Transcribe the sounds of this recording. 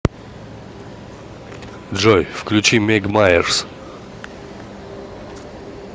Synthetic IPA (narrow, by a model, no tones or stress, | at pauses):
dʐojfklʲʉt͡ɕimʲeɡmajɛrs